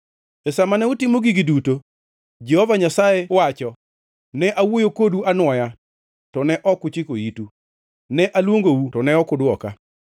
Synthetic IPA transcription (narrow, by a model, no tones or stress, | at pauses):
ɛsamanɛʊtɪmoɡiɡiduto | d͡ʒɛhɔvaɲasaɛwat͡ʃɔ | nɛʔawojokoduanwɔja | tɔnɛʔɔkʊt͡ʃɪkojitu | nɛʔalwoŋɡoutɔnɛɔkʊdwɔka̰